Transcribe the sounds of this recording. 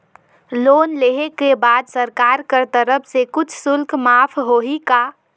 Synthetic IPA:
loːnleɦekebaːd̪səɾkaɾkəɾt̪əɾəpʰsekʊt͡ʃʰsʊlkmaːpʰɦoɦika

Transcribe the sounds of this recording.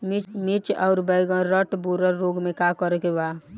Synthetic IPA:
mimit͡ʃɔ̰ʊɾbəɪɡə̃ɾəʈbuɾəɾːoɡmẽkakɔɾekeba

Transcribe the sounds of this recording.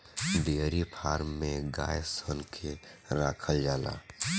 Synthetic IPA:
d̪eːɾipʰaːɾmːẽɡa̰ːjsənkʰe | ɾaːkʰəld͡ʒaːla̰ː

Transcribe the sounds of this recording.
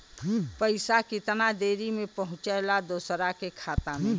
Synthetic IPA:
pəɪsakɪt̪nad̪eːɾimẽpəɦʊ̃t͡ʃəlad̪oːsɾakekʰaːt̪ame

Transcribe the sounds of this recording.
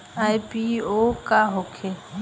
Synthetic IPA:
ajpiokaɦokʰe

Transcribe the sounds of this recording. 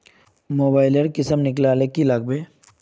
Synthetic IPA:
moːbaːɪleɽkɪsəmnɪklaːlekilaɡ̚be

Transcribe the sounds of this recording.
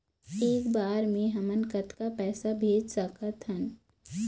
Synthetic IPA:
eːkbaːɾmẽɦɐmənkət̪kapɛːsabʱeːd͡ʒsəkət̪ɦən

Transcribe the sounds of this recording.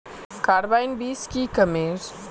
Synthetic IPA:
kaːɾbaːɪnbiːskikɐmeːɾ

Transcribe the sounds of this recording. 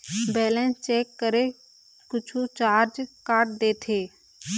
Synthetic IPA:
bɛːlɛ̃nt͡ʃeːkːəɾe | kʊt͡ʃʰut͡ʃaːɾd͡ʒkaːʈ̚d̪eːt̪ʰeː

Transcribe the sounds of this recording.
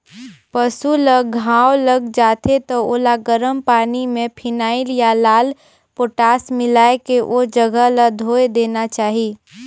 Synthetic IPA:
pəsuləɡʱãːwləɡd͡ʒaːt̪ʰet̪ooːlaɡəɾəmpaːnimẽpʰɪnaːɪljalaːl | poːʈaːsmɪlaːekeʔod͡ʒəɡələd̪ʱoːed̪eːnat͡ʃaːɦi

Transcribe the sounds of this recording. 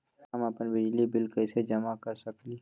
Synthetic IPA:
ɦɐmɐpənbɪd͡ʒlibɪlkɛɪsed͡ʒɐmakəɾsɐkli

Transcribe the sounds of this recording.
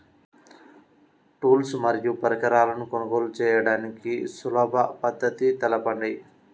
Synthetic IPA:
ʈuːlsmɐɾjupɐɾɐkɐɾaːlɐnukonɐɡoːlut͡ʃɛːjɐɽaːnikisulɔːbʱɐpɐd̪ʱːɐt̪it̪ɛlɐpɐɳɖi

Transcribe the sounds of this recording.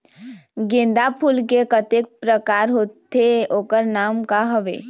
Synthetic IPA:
ɡẽnd̪apʰuːlkekət̪ek̚pɾəkaːɾɦoːt̪ʰeoːkəɾnaːmkaɦəʋḛː

